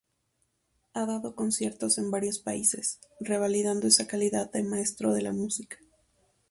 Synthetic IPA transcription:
aðaðo̞ko̞nsje̞ɾt̪o̞se̞mbaɾjo̞spaise̞sre̞βaliðand̪oe̞sakaliðaðdemae̞st̪ɾo̞ðe̞lamusikḁ

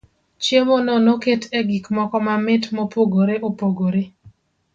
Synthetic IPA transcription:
t͡ʃjemonɔnoketʰeɡikmɔkɔmamɪtmopoɡoɾeʔopoɡoɾe

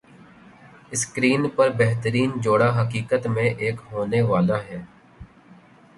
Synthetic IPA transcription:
ɪskɾiːnpəɾbɛɦt̪əɾiːnd͡ʒoːɽaɦəkiːkət̪mẽʔeːkɦoːneʋaːlaɦɛː

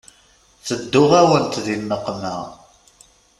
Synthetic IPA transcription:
θəd̪ːʊʁæwənt̪ðinːəqːmæ

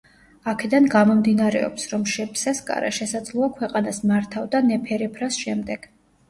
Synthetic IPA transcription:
akʰɛd̪anɡamɔmd̪inaɾɛ̰ɔ̰psɾɔmʃɛpʰsɛskʼa̰ɾa̰ʃɛsad̪zlˠɔakʰwɛqʼanasmaɾt̪ʰavd̪anɛpʰɛɾɛpʰɾasʃɛmd̪ɛɡ̥

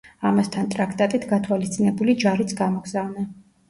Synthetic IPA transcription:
amast̪ʰant̪ʼɾakʰt̪ʼat̪ʼit̪ʰɡat̪ʰwalist̪sʼinɛbulid͡ʒaɾit̪sʰɡamɔɡzavna

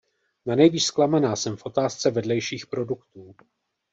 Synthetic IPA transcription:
nanɛjviːʃsklamanaːsɛmfʔo̞t̪aːst͡sɛvɛdlɛjʃiːxpɾo̞dukt̪uː

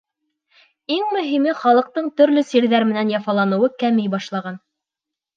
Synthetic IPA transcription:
iŋmɵ̆ɦimɘχɑlˠɤ̆q̚t̪ɤɴt̪ɵ̆ɾlɵsiɾðæɾmɘ̆nænjɑfɑlˠɑnɤ̆wɤkæmɘjbɑʃlˠɑʁɑn

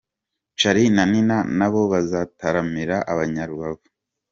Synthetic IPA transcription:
t͡ʃaɾinaninanaβo̞βazataɾamiɾaʔaβaɲaɾuɡaβu

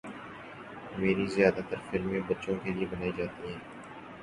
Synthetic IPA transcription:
meːɾizɪjaːd̪at̪əɾfɪlmẽbɐtːʃõkeliebɐnaːid͡ʒaːt̪iɦɛ̃ː

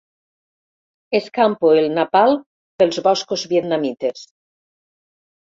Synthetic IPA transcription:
eskampoelnapal | pelzβɔskozβjet̪namit̪es

